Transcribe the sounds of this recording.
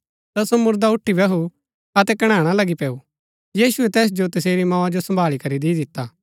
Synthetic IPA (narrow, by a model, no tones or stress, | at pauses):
t̪ɐsomʊɾd̪aʊʈʰːibɐɦu | ɐt̪ɛkɐɽ̃ãːɽ̃alɐɡipɛːu | jiːsʊɛt̪ɛːs̬d͡ʒot̪ɐseːɾimãːad͡ʒosɐ̃mbʱaːɭikɐɾid̪iːd̪ɪt̪ːaː